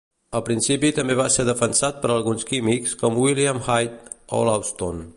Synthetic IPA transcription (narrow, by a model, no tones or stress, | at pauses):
əlˠpɾinsipit̪əmbeβaseɾðəfənsat̪̚pəɾəlˠɣunskimikskɔmwiliəmhajt̪ | o̰lawst̪on